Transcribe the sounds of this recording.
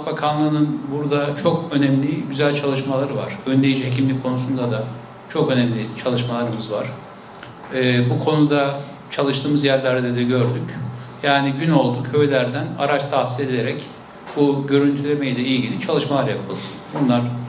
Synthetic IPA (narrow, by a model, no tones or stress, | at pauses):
bakʰanlˠɯːnɯnbuɾd̪at͡ʃʰo̞kʰø̞nɛmlʲiɟyzælʲt͡ʃʰalˠɯʃmalˠaɾɯva̰ɾ̥ønd̪ʲe̞jid͡ʒiɦecʰimlʲikʰo̞nusund̪ad̪a | t͡ʃʰo̞kø̞nɛmlʲit͡ʃʰalˠɯʃmalˠaɾɯmɯzvaɾ̥ | ɛːbukʰo̞nud̪a | t͡ʃʰalˠɯʃt̪ɯːmɯzjæɾlʲæɾd̪ɛd̪ɛɟø̞ɾd̪ycjaːniɟyno̞lˠd̪ucʰø̞jlʲæɾd̪æna̰ɾat͡ʃt̪ʰasilʲe̞d̪eɾɛc | buɟø̞ɾynt̪ʰylʲe̞me̞jid̪ʲɛilɟʲilʲit͡ʃʰalˠɯʃmalˠaɾjapʰɯlˠɯd̪ | bunlˠaɾ̥